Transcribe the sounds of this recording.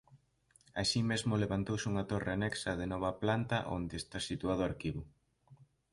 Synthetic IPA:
a̰simezmʊleβant̪owsɪuŋɐt̪oreanɛksɐðɪnɔβ̞ɐplant̪ɐʔo̰nd̪eest̪asit̪uað̞ʊaɾkiβʊ

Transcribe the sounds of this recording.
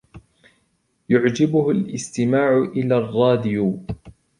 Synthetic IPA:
jʊʕd͡ʒɪbʊhʊlʔɪst̪ɪmaːʕʊʔɪlaːrˤːɑːd̪ɪju

